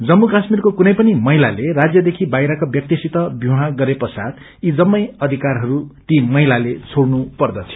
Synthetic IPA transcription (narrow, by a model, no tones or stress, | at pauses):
d͡zʌmːukasmirkokunʌjpʌnimʌɦilalerad͡zjʌd̪ekʰibajɾakobjʌk̚t̪isit̪ʌbjũɦãɡʌɾepʌsa̰d̪ | id͡zʌmːʌjʌd̪ʱikarɦʌɾut̪imʌɦilalet͡sʰoɽnupʌrd̪ʌt͡sʰi̥